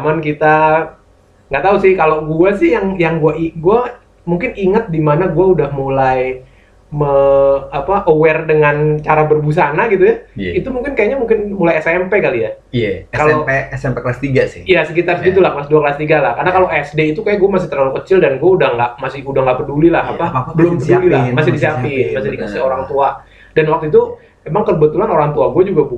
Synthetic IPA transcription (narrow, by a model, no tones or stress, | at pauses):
mankit̪a | ŋɡaʔt̪ausɪhkaloɡuasɪhjaŋjaŋɡuaʔiɡua | muŋkɪniŋat̪̚dimanaɡuaudahmulaj | məapaʔowɛrdəŋant͡ʃaɾabərbus̬anaɡit̪ujait̪umuŋkɪnkajaʔɲamuŋkɪnmulajɛsɛmpekalija | kaloeɛsɛmpeklast̪iɡasɪhjasəkit̪arsəɡit̪ulahklasduaklast̪iɡalahkarnakaloʔɛsdeit̪ukajaɡuamasɪht̪ərlalukət͡ʃɪldanɡuaudaŋɡaʔmasɪudaŋɡaʔbərdulilaɦapabəlʊmbədliamasɪdisiapimasɪhdikəsɪoɾaŋt̪ua | danwak̚t̪uit̪u | emaŋkərbət̪ulanoɾaŋt̪uaɡuad͡ʒuɡabu